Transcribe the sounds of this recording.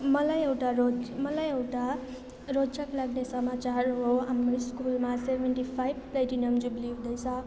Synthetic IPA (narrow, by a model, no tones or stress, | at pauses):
mʌlajewʈaɾomʌlajewʈa | ɾosaklaɡnesəmat͡ʃaɾɦoɦamɾiskulmaseʋeɳʈipʰajbplejʈinəmd͡ʒublid̪əjsa